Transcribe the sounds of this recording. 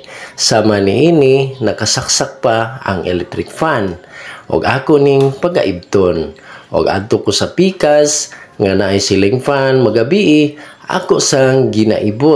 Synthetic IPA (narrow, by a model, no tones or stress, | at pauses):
saːmaniʔiːninakasaksak̚paa̰ŋʔɛ̰lɛk̚t̪ɾɪkfanʔʊ̰ɡaːkʊʔniŋpaɡa̰ʔib̚t̪onʔo̰ɡa̰d̪̚t̪okosapiːkasŋanaʔajsilɪŋfanmaɡabiʔɪʔa̰kʊʔsaŋɡina̰ʔibo